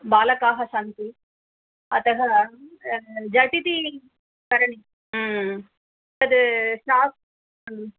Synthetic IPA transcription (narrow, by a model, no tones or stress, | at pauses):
baːlɐkaːɦɐʃɐnt̪i | ɐt̪ɐɦɐ | d͡ʒɐʈit̪i | kɐɾɐɳi | ɐd̪ɨʃaːs